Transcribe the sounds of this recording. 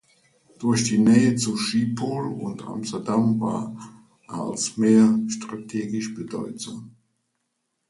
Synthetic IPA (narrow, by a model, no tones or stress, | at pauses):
d̥ʊɐçd̥iːnɛːət͡suʃiːpʰoːlʊ̰nta̰mstɐdamva̰ːɐ | a̰lsmeːɐʃtʁ̥atʰeːɡɪʃb̥ədɔʏt͡sʊŋ